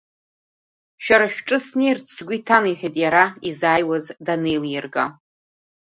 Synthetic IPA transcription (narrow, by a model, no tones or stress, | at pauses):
ʃᶣaɾaʃᶣʈ͡ʂʼɨsnert͡sʰsɡʷitʰaniħʷᶣajtʼjaɾaizaːjwazdane̞jljɪrɡa̰